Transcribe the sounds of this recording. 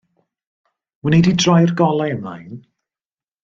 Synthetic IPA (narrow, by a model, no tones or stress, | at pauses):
wənididrɔjrɡɔlˠaənma̰jn